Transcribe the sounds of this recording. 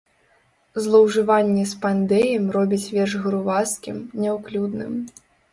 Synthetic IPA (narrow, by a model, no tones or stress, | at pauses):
zlˠɐwʐɨvanʲːɛspand̪ɛjɛmrɔbʲit͡sʲvʲɛrʐɣɾuvaskʲimnʲɛwklʲud̪nɨ̰m